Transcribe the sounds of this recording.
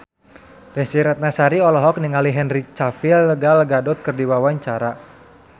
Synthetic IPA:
dɛnsiɾɛt̪̚nasaɾiɔlɔɦɔk̚niŋaliɦɛnrit͡ʃafilɡalɡadɔt̪̚kɨrdiwawaɲt͡ʃaɾa

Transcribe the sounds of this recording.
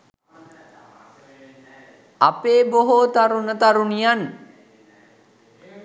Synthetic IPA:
a̰peːboɦot̪aɾunət̪aɾunijan

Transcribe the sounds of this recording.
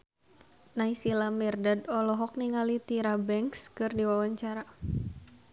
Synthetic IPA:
naisilamirdadɔlɔɦɔk̚niŋalit̪iɾabɛŋkskɨrdiwawaɲt͡ʃaɾa

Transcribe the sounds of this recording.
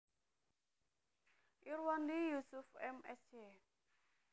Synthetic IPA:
ʔiɾwandijusufɛmɛst͡ʃe

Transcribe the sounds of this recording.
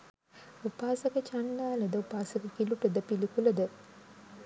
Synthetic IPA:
upaːsəkət͡ʃanːaːləd̪əupaːsɐkəkiluʈəd̪əpilikuləd̪ə

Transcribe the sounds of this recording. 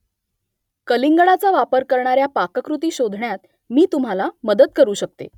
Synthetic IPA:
kəliŋɡɭat͡saʋapəɾkəɾɳaɾjapakəkɾut̪̬iːɕod̪ʱɳjat̪̚ | miːt̪um̤alaməd̪ət̪̚kəɾuːɕək̚t̪ḛ

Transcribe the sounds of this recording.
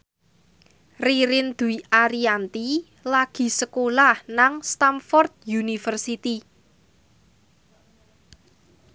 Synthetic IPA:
riɾɪnd̪̥ṳiʔaɾiant̪i | laɡ̥i̤səkolahnaŋst̪amfɔrt̪̚junifərsit̪i

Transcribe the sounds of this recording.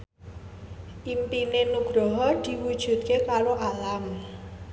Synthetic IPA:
ʔimpinenuɡ̥ɾɔɦɔd̪̥i̤wud̥ʒ̥ṳt̪̚kekaɾoʔalam

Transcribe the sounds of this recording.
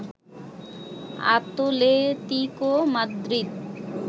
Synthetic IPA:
a̰t̪olet̪ikomad̪ɾit̪̚

